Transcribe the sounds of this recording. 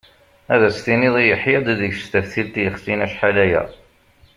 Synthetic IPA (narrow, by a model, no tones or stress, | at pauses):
æðæst̪iniðˤijəħjɑd̪ðəçst̪æfθilt̪jəχsinæʃħalæjæ̰